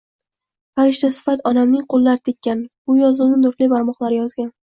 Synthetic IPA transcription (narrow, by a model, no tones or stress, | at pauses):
faɾɪʃt̪asɪ̥fat̪ʰɒd̪amnɪŋqʰolˠːaɾɪt̪ʰekʲːanbʊjɒzʊnɪnʊɾt̪libaɾmɒχlˠaɾɪjɒzɡʲan